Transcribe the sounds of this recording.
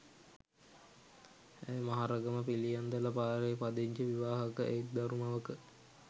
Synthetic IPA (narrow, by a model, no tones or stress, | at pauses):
æjmaɦaɾəɡəməpilijand̪ələpaːɾeːpad̪eɲd͡ʒəʋiʋaːɦɐkəʔekd̪aɾumaʋəkə